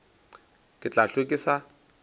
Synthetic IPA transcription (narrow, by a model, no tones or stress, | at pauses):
kʼɪt͡ɬʼaɬekʼɪsa